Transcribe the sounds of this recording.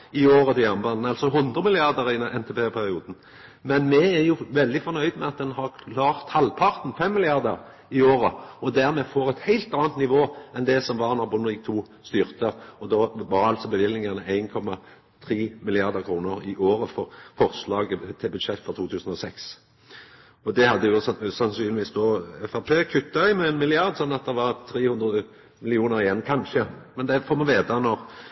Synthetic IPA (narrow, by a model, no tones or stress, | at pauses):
ɪoːɾət̪ɪɑmbɑnnɑlsɔɦʊnd̪ʁəmɪlɪɑʁd̪əɾɪɛnt̪ʰepʰeːpʰæʁɪuːd̪n̩ | mɛnmɛæjʊʋɛld̪ɪfɔɾnœʏd̪mɛɑt̪̚d̪ɛnhɑʁkʰlɑːʁt̪hɑlpʰɑʁt̪n̩fɛmːɪlɪɑʁd̪əʁ | ɪoːɾəɔd̪æʁmɛfoːɾɛt̪hæɪlt̪ɑːnt̪̚nɪʋoːɛnd̪ɛsɔmʋɑʁnɑbʊnɪk̚t̪ʰuː | st̪yːʁt̪əɔd̪ɔʋɑɾɑlt̪sɔbəʋɪlnɪŋɑnəæɪnkʰɔmɑ | t̪ʰɾiːmɪlɪɑʁd̪əʁkʰɾuːnəʁɪʔoːɾəfɔʁfɔʁslɑːɡət̪ʰɪlbʉd̪ʃɛt̪ːfɔʁt̪ʰuːt̪ʰʉːsən̩ɔsɛks | ɔd̪ɛhɑd̪ːəjʊsɑnsyːnɪʋiːsd̪ɔɛfæʁpʰeːkʰʉt̪ːɑʏmɛːnmɪlɪɑʁd̪sɔnːɑt̪̚d̪ɛʋɑʁt̪ʰɾeːhʉnd̪ʁəə | mɪlɪuːnəɾɪjɛnːkʰɑnʃəmɛnd̪ɛfoːmɑnʋeːt̪ɑnɔʁ